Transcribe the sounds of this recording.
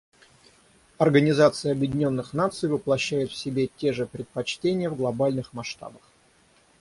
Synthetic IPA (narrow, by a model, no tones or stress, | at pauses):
ɐrɡənʲɪzat̪sɨjəɐbjɪdʲɪnʲo̞nːɨxnat̪sɨjvɨplˠɐɕːæjɪt̪fsʲɪbʲetʲe̞ʐɨpɾʲɪt̪̚pɐt͡ɕtʲenʲɪjəvɡlˠɐbalʲnɨxmɐʂt̪a̰bəx